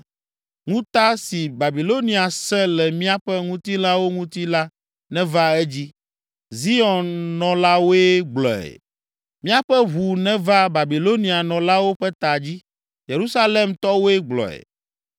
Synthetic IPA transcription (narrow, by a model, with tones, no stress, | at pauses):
ŋũ˦t̪a˦si˨ba˨bi˨lo˦nĩ˨a˨sɛ̃˦lɛ˨mĩ˦a˦ɸɛ˦ŋũ˦t̪i˦la˦wo˦ŋũ˦t̪i˦la˦ | nɛ̃˦va˦ɛ˦d͡ʑi˦ | zi˦ɔ˨nːɔ̃˨la˦wo˦ɛ˦ɡ͡blɔ̰˨ɛ̰˨ | mĩ˦a˦ɸɛ˦ɦu˨nɛ̃˦va˦ba˨bi˨lo˦nĩ˨a˨nɔ̃˨la˦wo˦ɸɛ˦t̪a˨d͡ʑi˦ | je˨ɾu˦sa˦le˦mt̪ɔ˦wo˦ɛ˦ɡ͡blɔ̰˨ɛ̰˨